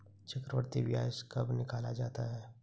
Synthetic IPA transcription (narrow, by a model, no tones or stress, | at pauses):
t͡ʃɐkɾəʋəɾt̪iʋja̰ːʃkɐbnɪkaːlad͡ʒaːt̪aɦɛː